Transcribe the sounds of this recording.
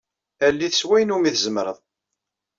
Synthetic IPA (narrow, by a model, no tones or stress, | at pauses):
ælːiθəswæjnumiθəzəmɾəðˤ